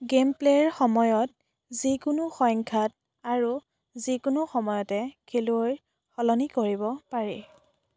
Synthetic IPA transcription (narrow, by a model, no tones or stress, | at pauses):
ɡempleɹxɔmɔjɔt̚ | zikʊnʊxɔjŋkʰat̚ | aɹu | zikʊnuʊxɔmɔjɔtɛkʰeluoj | xɔlɔnikoɹibɔpaɹɛ̰